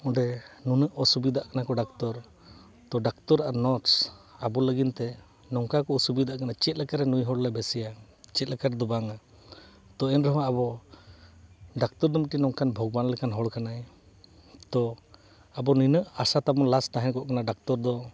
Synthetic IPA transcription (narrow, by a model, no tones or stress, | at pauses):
ɔɳɖɛnunəʔɔsubid̪aʔkanakɔɖakt̪ɔɾ | t̪ɔɖak̚t̪ɔɾaɾnɔʈsabɔləɡint̪ɛ | nɔŋkakɔɔsubid̪aʔkanat͡ʃɛt̪̚ˀlɛkaɾɛnujɦɔɽlabɛsɛja | t͡ʃɛt̪̚ˀlɛkaɾɛd̪ɔbaŋa | t̪ɔɛnɾɔɦaabɔ | ɖak̚t̪ɔɾd̪ɔmʈinɔŋkanbʱɔɡ̚banlɛkanɦɔɽkanaj | t̪ɔ | abɔnujnəʔasat̪abɔnlast̪aɦɛnkɔʔkanaɖak̚t̪ɔɾd̪ɔ